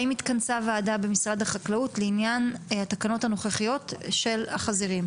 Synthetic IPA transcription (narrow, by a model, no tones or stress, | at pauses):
imit̪kansavaːdabe̞misʁad̪haχaklautleinjanhat̪akano̞thano̞χaχijo̞tʃe̞laχaziʁim